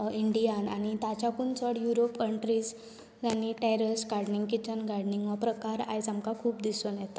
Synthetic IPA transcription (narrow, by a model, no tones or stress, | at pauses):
iɳɖijana̰ɽ̃it̪at͡ɕakunt͡sʰəɽjuɾopkəɳʈɾiːd͡z | d͡zanːiʈɛɾəsɡaɾɽniŋɡkit͡ɕənɡaɾɽniŋɡʋapɾəkaɾa̰jd͡zamkakʰuːpd̪isonjɛt̪a